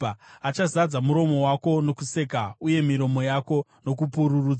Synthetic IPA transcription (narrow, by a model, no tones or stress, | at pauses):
at͡ʃazad͡zamuɾo̞mo̞wako̞no̞kuse̞kauje̞miɾo̞mo̞jako̞no̞k̬upuɾuruːd͡z